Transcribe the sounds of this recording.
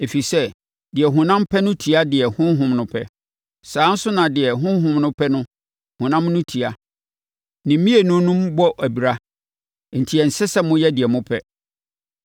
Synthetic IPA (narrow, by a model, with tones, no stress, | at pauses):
e˨fi˨sɛ˦ | dɪ˨ɛ˨ɦʊ̃˨nã˦m˦pʰɛ˦nʊ̃˦tʰi˨a˦dɪ˨ɛ˨hʊ̃˦ɦʊ̃˨mnʊ̃˨pʰɛ̰˦ | sãː˨˦n̩˦sʊ˦nã˨dɪ˨ɛ˨ɦʊ̃˦ɦʊ̃˨mnʊ̃˦pʰɛ˦nʊ̃˦ | hʊ̃˨nã˦mnʊ̃˦tʰi˨a˦ | nĩ˨˦mĩ˦e˨nʊ̃˦nũ˦mbɔ˦ʔæ˨bi˨ɾa˦ | n̩˨tʰi˨ɛ˨n̩˨sɛ˦sɛ˦mʊ̃˦jɛ˦dɪ˨ɛ˨mʊ̃˦pʰɛ˦